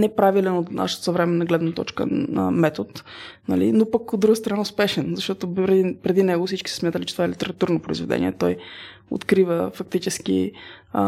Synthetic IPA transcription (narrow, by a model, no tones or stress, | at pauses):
nɛpɾavilɛnot̪na̰ʃə̥t̪sɐvɾɛmɛnːɐɡlɛd̪nət̪ɔ̰t͡ʃkə̰ə̰mɛt̪ot̪nɐlḭnopəkod̪ːɾuɡəst̪ɾɐnaʊspɛʃɛnzɐʃt̪ɔt̪oɾpɾɛd̪inɛɡofsit͡ʃki̥sɛ̥smjat̪əlit͡ʃɛ̥t̪ovaɛlit̪ɛɾɐt̪uɾnopɾo̰izvɛd̪ɛ̰nḭɛ̰t̪ɔj | o̰t̪kɾivəfɐk̚t̪it͡ʃɛskḭ